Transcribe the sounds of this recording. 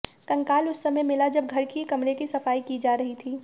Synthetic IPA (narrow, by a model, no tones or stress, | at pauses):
t̪ɐ̃ŋkaːlʊsːɐmɛ̃mɪlad͡ʒɐb̚ɡʱɐɾkikɐmɾekisɐfaːikid͡ʒaːɾɐɦit̪ʰiː